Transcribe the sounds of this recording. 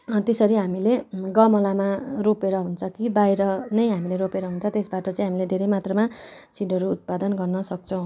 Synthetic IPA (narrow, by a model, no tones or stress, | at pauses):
t̪esʌɾiɦamileɡʌmʌlamaropeɾʌɦunt͡sʰʌkibajɾʌnʌjɦamileɾopeɾʌɦunt͡sʰʌt̪esbaʈʌt͡sʌĩɦamiled̪ʱeɾʌjmat̪rʌmasiɖʱʌɾuːt̪̚pad̪ʌnɡʌrnʌsʌk̚t͡sʰʌw̃